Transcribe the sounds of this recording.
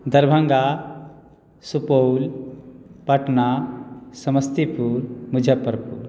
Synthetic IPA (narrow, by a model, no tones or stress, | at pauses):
d̪ʱɐɾbʱə̃ŋɡa | supowl | pɐʈnasɐməst̪ipuɾmud͡ʒʱəpːəɾpṵɾ